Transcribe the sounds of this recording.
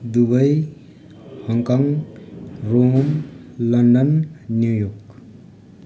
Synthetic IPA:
d̪ubʌj | hʌŋkaŋ | ɾomlʌndʌnːjujɔk̚

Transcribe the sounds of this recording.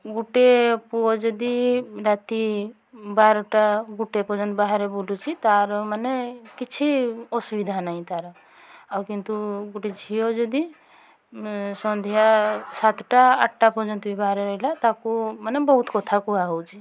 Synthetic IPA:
ɡuʈepuɔd͡ʒɔd̪iɾat̪i | baɾɔʈaɡuʈepɔd͡ʒənt̪baɦaɾebulut͡ʃʰit̪aɾɔmanekit͡ʃʰiɔsubid̪ʱanaɦĩt̪aɾa | awkint̪uɡuʈed͡ʒʱijod͡ʒɔd̪i | sɔ̃nd̪ʱjasat̪ʰʈaːʈʈapɔd͡ʒənt̪uibaɦaɾeɾəɦilat̪akumanebɔɦut̪kɔt̪ʰakuaɦɔwt͡ʃʰi

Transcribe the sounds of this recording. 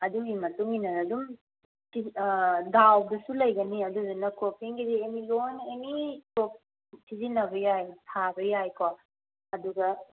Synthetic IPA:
ɐduŋimɐtuŋinɐɾɐdum | idawdɐsulɐjɡɐniɐduɡanɐkʰop̚eŋɡidiemilonenikop̚ | tʰizinɐbɐjajtʰabɐjajko | ɐduɡɐ

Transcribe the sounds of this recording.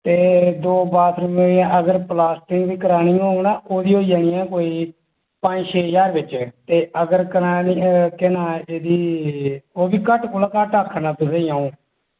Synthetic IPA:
t̪eːd̪oːbaːt̪ʰɾʊmoːiɛ̃ːʔəɡəɾplaːsʈɪŋɡʋiːkəɾaːnɪ̃ːŋɡonaːʔoːd̪iːɦoːid͡ʒaːñɪjɛːkoːiː | pə̃nd͡ʒʃʰeːjaːɾbɪt͡ʃt̪eːəɡəɾkəɾaːnikɪnaːeːd̪iː | oːbiːkəʈkʊlaːkəʈəkʰːnaːt̪ʊseːjãːũː

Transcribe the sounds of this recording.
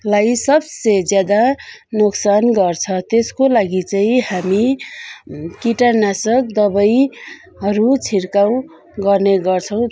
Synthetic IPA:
lajsʌbsed͡zjad̪anoksanɡʌrt͡sʰʌt̪eskolaɡit͡saĩhami | kiʈanasʌk̚d̪ʌbʌj | ɦʌɾut͡sʰiɾkaw̃ | ɡʌrneɡʌrt͡sʰʌw̃

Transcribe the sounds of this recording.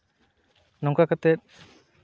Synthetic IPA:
nɔŋkakat̪ɛt̪̚

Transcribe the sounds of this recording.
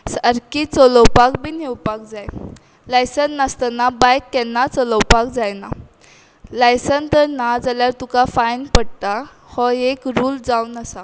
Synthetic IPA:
səɾkit͡sɔlɔwpakbʱiːnewpak̚d͡zaj | lajsənːast̪ənabajkːɛnːat͡sɔləwpak̚d͡zajna̰ | lajsənt̪əɾnad͡zaljaɾt̪ukafajnpəɽt̪a | hɔekɾuːld͡zawnəsa

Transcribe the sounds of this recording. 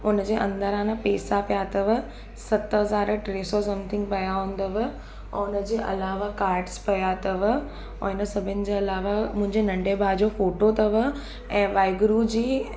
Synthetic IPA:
ʊnəd͡ʑeːʔɐ̃nd̪əɾãːnəpeːsapijat̪ɐʋə̆ | sɐt̪ɦɐzaːɾʈɾeːsɔsɐ̃mt̪ʰɪ̃ŋɡ̚pɐjaɦũːn̆d̪əʋː | ʊnəd͡ʑeːʔɐ̰laːʋakaːɾɖspɐjat̪ɐʋ | ɦɪnəsɐbʱɪənɪ̆d͡ʑeːɐlaːʋamʊ̃ɦɪ̃ɲd͡ʑenɐ̃ɳɖebʱaːd͡ʑofoːʈot̪ɐʋə | ɛ̃ːʋaːɪɡɾud͡ʑiː

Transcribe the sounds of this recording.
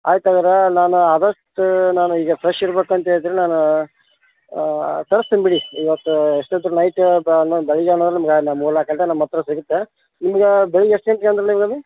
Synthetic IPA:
a̰ːjt̪ɐɡɐɾenaːnuaːd̪ɐʂʈunaːnuiːɡɐpɾeʃiɾbeːkuɐnt̪ɐɦeɭid̪iːɾenaːnu | t̪ɐɾɐst̪imbiɽiiʋɐt̪ːueʂʈed̪ɾunɐjʈːnːobeɭiɡeːnɐnd̪ɾenimɐɡnamuːlakɐɳʈenɐnmɐt̪ːɾɐsiɡut̪ːe | nimɐɡebeɭiɡesʈeɳʈkeɐnd̪ɾenimɐɡɐmi

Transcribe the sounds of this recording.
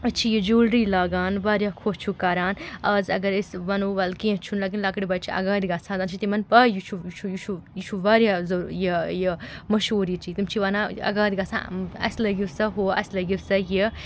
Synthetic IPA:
ɐt͡ʃʰijid͡ʒuːlɾiːlaːɡaːnʋaːɾʲjaːkʰoːst͡ʃʰukɐɾaːnɐzɐ̰ɡɐɾisʋɐnuːʋɐlkẽːt͡ʃʰunlaːkinlakɽibɐːt͡ʃʰiʔɐ̰ɡaːd̪iɡaːsʰãːnzaːnt͡ʃʰit̪imɐnpɐjit͡ʃʰujt͡ʃʰujut͡ʃʰujit͡ʃʰuʋaːɾjaːzɐjijimɐʃuːɾit͡ʃʰit̪imt͡ʃʰiʋɐnaːɐ̰ɡaːd̪ʲɡasã̰ːɐ̰slɐɡiwsɐɦoːɐ̰slɐɡisɐji

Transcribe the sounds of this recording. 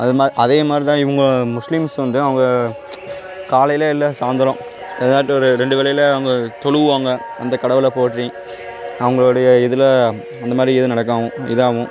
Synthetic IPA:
ɐðɯmaʔɐðeːmaːd̪ɾit̪ãːɪʋɐŋɡɐɭmʊʂlɪmsʋɐnd̪ɯɐʋɐŋɡɐ | kaːlɐjɪlɐɪlːɐsaːnd̪ɐlɔ̃ | ɐðɐnaːʈːɯɔɾɯɾɛɳɖɯʋɪlɐjɪlɐɐʋɐŋɡɐt̪ɔɭɯʋɯʋaːŋɡɐ | ɐ̰nd̪ɐkɐɽɐʋɪlɐpoːʈɾĩ | ɐʋɐŋɡɐɭoːɽɐjɐɪðɯla | ɐnd̪ɐmaːd̪ɾiɪðɯnɐɽɐk̬ːaːʋʊ̃ɪ̰ðɐːʋʊ̃

